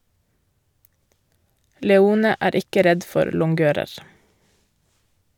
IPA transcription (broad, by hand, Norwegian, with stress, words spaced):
lɛˈuːnə ˈæːɾ ˈɪkə ˈɾɛd ˈfɔɾ lʊŋˈɡøːɾəɾ